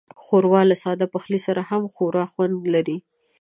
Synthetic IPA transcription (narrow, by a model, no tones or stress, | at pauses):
xoɾwɑlasɑd̪apaxlisaɾahamxoɾɑxwand̪laɾi